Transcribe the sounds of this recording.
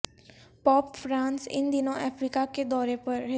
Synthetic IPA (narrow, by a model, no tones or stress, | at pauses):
pɔːpfɾãːnsɪ̰nd̪ɪnõʔɛːfɾiːkaked̪ɔːɾepɐɾɦɪ